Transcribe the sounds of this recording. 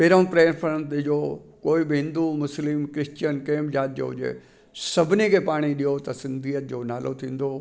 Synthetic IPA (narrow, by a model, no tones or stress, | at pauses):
peːɾõːpɾeːɾfʰɾənt̪ɪd͡ʑoːkoːɪɓɪɦɪ̃nd̪umʊslɪmkɾɪst͡ɕənkeːmd͡ʑaːt̪̚d͡ʑo̰ːd͡ʑḛ | sɐbʱɪnikʰeːpaːɽ̃iɗijot̪ɐsɪ̃nd̪ʱiːət̪̚d͡ʑoːnaːlʔo̰t̪ʰĩːn̆d̪o